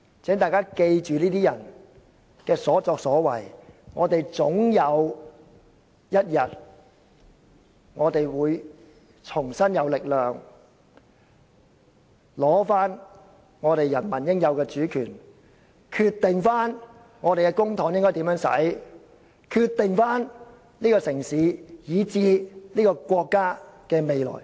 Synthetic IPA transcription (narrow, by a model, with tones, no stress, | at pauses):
t͡sʰɛ˨˥ŋt̪aː˨jkaː˥ke˧jt͡ʃyː˨niː˥t̪iː˥jɐ˨˩n | kɛː˧sɔː˨˥t͡sɔː˧k̚sɔː˨˥wɐ˨˩jŋɔː˨˧t̪e˨jt͡sʊ˨˥ŋjɐ˨˧w | jɐ˥t̚jɐ˨t̚ | ŋɔː˨˧t̪e˨jwuː˨˧j | t͡sʰʊ˨˩ŋsɐ˥njɐ˨˧wlɪ˨k̚lœː˨ŋ | lɔː˨˥faː˥n | ŋɔː˨˧tɾe˨jɐ˨˩nmɐ˨˩njɪ˥ŋjɐ˨˧wkɛː˧t͡ʃyː˨˥kʰy̰ː˨˩n | kʰyː˧t̪ːɪ˨ŋfaː˥n | ŋɔː˨˧t̪e˨kɛː˧kʊ˥ŋt̪ʰɔː˨˥ŋjɪ˥ŋkɔ˥jt̪i˨˥mjœː˨˧˥ŋsɐ̰˨˥j | kʰyː˧t̪ːɪ˨ŋfaː˥n | liː˥kɔː˧sɪ˨˩ŋsiː˨˥jiː˨˧t͡siː˨˧niː˥kɔː˧kʷɔː˧kːaː˥kɛː˧me˨jlɔ̰ː˨˩j